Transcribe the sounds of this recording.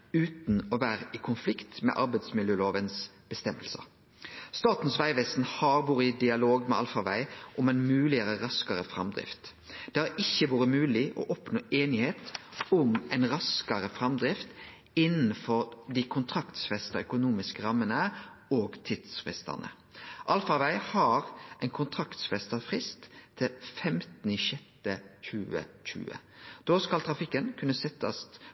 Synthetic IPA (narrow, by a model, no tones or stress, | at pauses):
ʉːt̪nɔʋæːɾəɪkʰʊnflɪkt̪mɛ̰ʔɑɾbæɪd̪smɪljøːloːʋənsb̥əst̪ɛmːəlsə̰ | st̪ɑːt̪n̩sʋæɪʋɛsn̩hɑːbuːɾəɪd̪ɪɑloːɡmɛ̰ɑ̰lfɑʋæɪʔʊmæɪnmʉːlɪəɾəɾɑskɑɾəfɾɑmd̪ʁɪ̰ft̪ | d̪̥ɛhæɾɪçːəʋuːɾəmʉːlɪʔo̰ːʔɔpnoːʔeːnɪheːt̪ʊmɛɪnɾɑskɑɾəfɾɑmd̪ɾɪft̪ | ɪnːn̩fɔɾd̪ikʰʊnt̪ʰɾɑkt̪sfɛst̪əœkʊnuːmɪskəɾɑmːənə | oːɡt̪ʰid̪sfʁɪ̰st̪ə̰nʔə̰ | ʔɑlfɑʋæɪhɑʁʔɛɪnkʰʊnt̪ʰɾɑkt̪sfɛst̪əfʁɪst̪ʰːɪlfɛmt̪n̩ɪʃɛt̪ːəçʉːə̰çʉ̰ːə̰d̪̥oːskɑlt̪ʰɾɑfɪkːənkʰʉnːəsɛt̪ʰːɑ̰st̪